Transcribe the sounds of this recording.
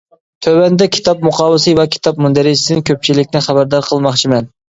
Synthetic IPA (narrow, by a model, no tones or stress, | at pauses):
t̪ʰøwɛnd̪ɛkʲʰi̥t̪ʰɑp̚muqʰɑwɨsɨvɛkʲʰi̥t̪ʰɑp̚mund̪æɾɪsɪd̪ɪnkʲʰøp̚t͡ʃʰilɪkʲnɪχæbæɾd̪ɑɾqʰəlˠmɑχt͡ʃʰimɛn